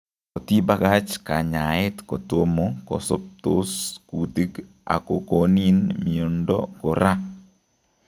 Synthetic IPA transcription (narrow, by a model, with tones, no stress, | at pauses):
ko˨ti˦ba˦ɡa˦t͡ʃka˨ɲa˨ɪ˦tko˨to˦mo˦kɔ̰˨sɔ̰˦p̚t̪o˦sku˨ti˦ɡ | a̰˨ko˨koni˦nmi˨o˨ndɔ̰˦ko˨ɾa˦